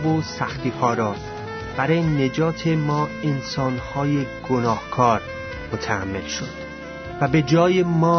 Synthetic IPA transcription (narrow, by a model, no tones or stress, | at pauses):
vosæxt̪iːhɒːɾɒː | b̥æɾɒːjene̞d͡ʒɒːt̪ʰe̞mɒːensɒːnhɒːje̞ɡ̥onɒːhkʰɒːɾ | mot̪ʰææ̰mːe̞̰lʃod̪̥ | væbe̞d͡ʒɒːjemɒː